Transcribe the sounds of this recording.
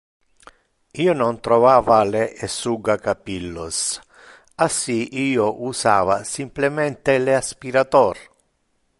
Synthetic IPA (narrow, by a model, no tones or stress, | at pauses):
iːonont̪ɾovaːvaleːsuɡakapilːos | asiiːoʔusaːvasimplemɛnt̪eleaspiɾat̪ɔr